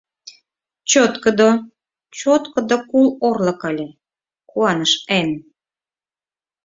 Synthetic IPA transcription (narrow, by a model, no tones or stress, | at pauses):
t͡ɕot̪kəd̪o | t͡ɕot̪kə̆d̪okulorlə̆kɑlʲĕ | kuɑnəʃen